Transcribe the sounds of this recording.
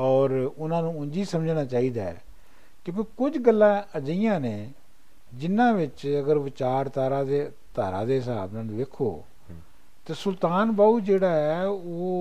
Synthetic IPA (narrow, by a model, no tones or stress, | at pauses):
ɔːɾʊnãːnũːʊɲd͡ʒiːsəməd͡ʒnaːt͡ʃaːiːd̪aːɛ̰ː | kjõːkekʊd͡ʒɡəlːãːəd͡ʒijãːneː | d͡ʒɪnːãːʋɪt͡ʃəɡəɾʋɪt͡ʃaːɾt̪aːɾaːd̪eː | t̪aːɾã̰ːd̪eːɦɪsa̰ːbnãːnũːʋeːkʰo̰ː | t̪eːsʊlt̪aːnbaːuːd͡ʒeːɽaːɛːoː